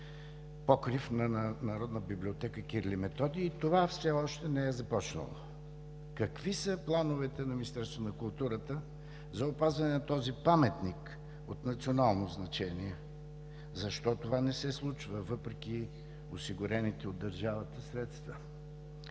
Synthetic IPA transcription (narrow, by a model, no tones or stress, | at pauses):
pɔkɾifnɐnɐɾɔd̪nəbiblʲiot̪ɛkəkiɾlimɛt̪ɔd̪iːt̪ovafsɛɔʃt̪ɛnɛɛzɐpɔt͡ʃnə̰lˠo̰ | kɐkvisəplˠanovɛt̪ɛnɐmʲinist̪ɛɾst̪vonɐkʊlˠt̪uɾət̪ə | zɐopazvɐnɛnɐt̪ɔzipamɛt̪nik | ot̪nɐt̪sionalˠnoznɐt͡ʃɛniɛ | zɐʃt̪ɔt̪ovanɛsɛslˠut͡ʃvəvɤpɾɛk̟ʲi | osiɡʊɾɛnit̪ɛod̪ːɐɾʒavət̪əsɾɛt̪st̪və